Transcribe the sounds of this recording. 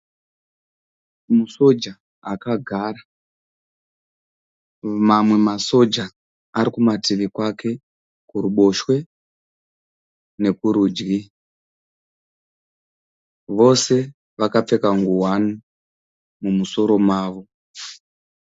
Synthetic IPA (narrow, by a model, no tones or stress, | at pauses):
muso̞d͡ʒaː | kaɡʱaːra | mamwe̞maso̞d͡ʒaː | ɾikumatiʋikwakʰe̞ | kuɾuɓo̞ʃwe̞ | ne̞kuɾuːd͡ʒɡi | ʋo̞se̞ | ʋakap͡fe̞kaŋɡuwanu | mumuso̞ɾo̞maːʋo̞